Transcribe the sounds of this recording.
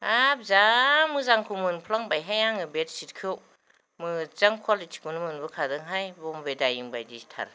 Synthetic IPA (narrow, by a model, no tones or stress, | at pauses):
ab̚zamɯzaŋkʰumɯnpʰlaŋbajɦajaŋɯbet̚sit̚kʰɯw | mɯt͡saŋkʰwalitʰi̥kunɯmɯnbɯkʰadɯŋɦajbɔmbedajɯŋbajdistʰa̰ɾ